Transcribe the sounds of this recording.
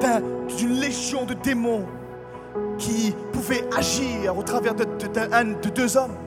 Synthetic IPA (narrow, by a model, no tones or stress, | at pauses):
t̪ɛ̃ynlezjɔ̃d̪əd̪emɔ̃ | kʲʰipuvɛaʒiʁot̪χavɛʁd̪d̪ɛ̃d̪əd̪øzɔm